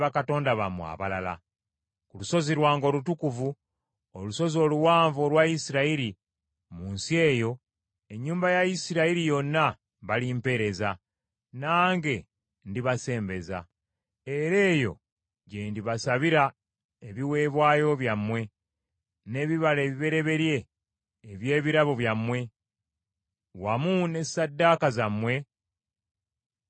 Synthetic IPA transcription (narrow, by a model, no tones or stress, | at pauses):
βakato̞ːndaβamwa̰βalala̰ | kuluso̞ziɾwaːŋɡo̞ːlutukuvu | oluso̞zio̞ːluwaːɱvo̞lwaisiɾaiɾi | muːnsie̞ːjo̞ | e̞ɲːuːmbajaisiɾaiɾijo̞nːa | βalimpe̞ɾe̞za | naːŋɡe̞ | ndiβase̞ːmbe̞za̰ | eɾe̞ːjo̞̰ | ɟendiβasaβiɾa | eβiwe̞ːβwaːjo̞βjamːwe̞ | ne̞βiβaleːβiβe̞ɾe̞βe̞ɾje̞ː | βje̞ːβiɾaβoβjamːwe̞ | wamune̞sadːakazamːwe̞